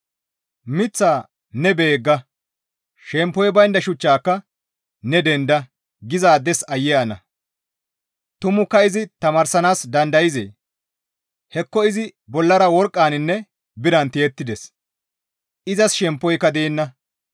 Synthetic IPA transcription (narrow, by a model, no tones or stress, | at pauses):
mɪt͡sːaː | nɛbeːɡːɐ | ʃɛmpːɔjbɐjnd̪ɐʃʊt͡ʃːaːkːɐ | nɛd̪ɛnd̪ɐ | ɡɪzaːd̪ɛsɐjːɛɐnɐ̰ | t̪ʊmʊkːɐɪzɪt̪ɐmaːɾsɐnaːsd̪ɐnd̪ɐjɪzḛː | hɛkːɔɪzɪbɔlːɐɾɐwɔɾkʼːaːnɪnːɛ | bɪɾɐnt̪ɪjɛt̪ːɪd̪ɛs | ʔɪzɐsʃɛmpːɔjkːɐd̪eːnːɐ